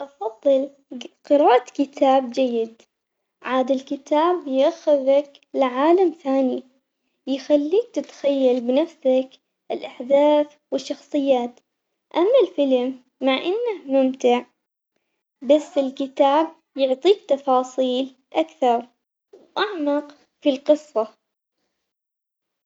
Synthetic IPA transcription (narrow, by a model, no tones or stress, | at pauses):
ʔɑfɑðˤːɨl | qɨɾaːʔat̪kɪt̪ʰaːb̚d͡ʒajːɪd̪ | ʕaːd̪ɪlkɪt̪aːbjʔaxɪðak | lɪʕaːlamθaːni | jxalːiːk̚t̪ɪt̪xajːalbɪnafsak | ʔɪlʔaħd̪aːθ | wɪʃːɑxsˤɨjːaːt̪ | ʔamːalfɪlmː | aʕʔɪnːahmʊmt̪ɪʕ | basːɪlkɪt̪aːb̚ | jʊʕt̪ˤiːkt̪ɑfɑːsˤiːl | ʔakθɑɾˤ | wʔaʕmɑq | filqɨsˤːɑ